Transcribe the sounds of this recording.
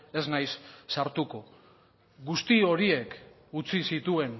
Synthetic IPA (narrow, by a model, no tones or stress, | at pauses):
e̞znajsːaɾt̪uko̞ | ɡust̪io̞ɾie̞k | ut͡sisit̪ue̞n